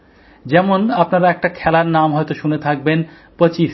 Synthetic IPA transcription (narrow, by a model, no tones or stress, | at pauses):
d͡ʑɛmonapnaɾaɛk̚ʈakʰɛlaɾnamɦɔjt̪oʃunet̪ʰak̚ben | pɾət͡ɕiʃ